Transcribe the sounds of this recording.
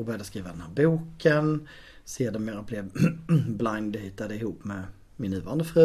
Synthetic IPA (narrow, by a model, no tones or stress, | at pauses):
bœːɾjad̪əskɾiːvad̪ɛnhæːɾbuːkʰən | seːdɛmːeːɾable | blaŋnd̪hʏt̪ːad̪əɪhuːpːmɛ | mɪnːʉ̟ːvɑːɾand̪əfɾʉː